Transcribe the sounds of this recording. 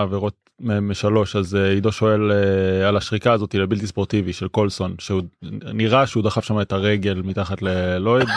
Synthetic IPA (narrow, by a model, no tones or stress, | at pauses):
aveʁo̞t̪̚ | meemeʃalo̞ʃazeido̞ʃo̞elealaʃʁikaːzo̞tilebilt̪ispo̞ʁt̪iviʃelko̞lso̞nʃeuniʁaʃeud̪aχafʃamaet̪aʁe̞ɡe̞lmit̪aχatleloid